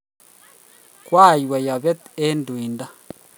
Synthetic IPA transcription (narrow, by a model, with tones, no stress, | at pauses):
kwa˦˨jwa˨ja˨βɛ˦t̪e˦ndu˨i˨nda˦